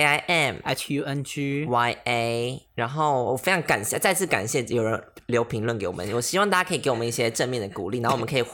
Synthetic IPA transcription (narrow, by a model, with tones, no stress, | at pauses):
a˧ɪʔɛ˥˨˩ma˧tju˨ɛ˧nd͡ʒy˦wa˧ɪe˥ɻa˧˥nxo˥˩ʊwɔ̰˨˩fe˥ɪʈ͡ʂʰɑ˧˥ŋka˨˩nɕɛ˥˧t͡sa˥˧ɪt͡sʰɹ̩˥˩ka̰˨˩nɕjɛ˥˩jo˨˩ʊɻə˧˦n | ljo˧˥ʊpʰi˧˥ŋlwə˥˩nke˧˥ɪwɔ˨˩ə˦nwɔ˨˩ɕi˥wɑ˥˧ŋt̪a˥˩t͡ɕa˥kʰə˧˥˨kwmə˦i˥˩ɕjɛ˦ʈ͡ʂə˥˧nmjɛ˥˩nd̪ə˨˩kṵ˨˩li˥˩a˧˦˥ɔ˨˩ə˦kʰi˨˩